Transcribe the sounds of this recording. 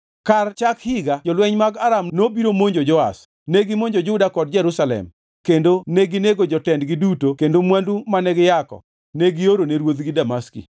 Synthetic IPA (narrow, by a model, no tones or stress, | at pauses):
kart͡ʃakhɪɡad͡ʒɔlwɛɲmaɡaɾamnobiɾomoɲd͡ʒod͡ʒɔa̰s | neɡɪmoɲd͡ʒod͡ʒʊdakɔd̚d͡ʒɛɾusalɛ̰m | kendoneɡɪneɡod͡ʒɔtɛndɡɪdutokendomwandumanɛɡɪjakɔ̰ | neɡɪoɾoneɾwod̪ɡɪdamaskḭ